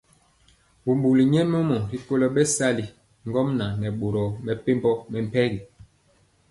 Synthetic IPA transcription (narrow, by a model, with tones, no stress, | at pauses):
bu˨mbu˨li˨ɲɛ˦mo˦mɔ˨ɾi˨ko˦lɔ˦ɓɛ˦sa˦li˨ | ŋ˦ɡɔ˦mna˨nɛ˨ɓo˨ɾɔ˨mɛ˨pe˦mbɔ˦mɛ˨m˨pɛ˦ɡi˨